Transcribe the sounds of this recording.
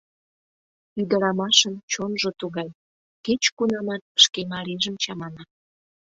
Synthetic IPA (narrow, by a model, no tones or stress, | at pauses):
yd̪əɾɑmɑʃənt͡ɕonʒot̪uɣɑj | ket͡ɕkunɑmɑt̪̚ə̥ʃkemɑɾiʒəmt͡ɕɑmɑnɑ